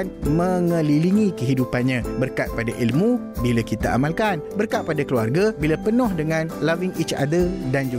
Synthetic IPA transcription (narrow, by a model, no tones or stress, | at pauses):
nmə̃ŋəliliŋĩkəɦidupanɲãbərkat̪̚padaʔilmũ | bilakit̪aa̰malkanbərkat̪̚padakəluarɡabilapənɔhdəŋãnlaviŋit͡ʃa̰dədand͡ʒu